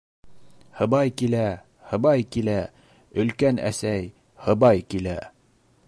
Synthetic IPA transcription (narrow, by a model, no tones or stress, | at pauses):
hɤ̆βɑjkilæ | hɤ̆βɑjkilæ | ɵ̆lkænæ̰sæj | hɤ̆bɑjkilæ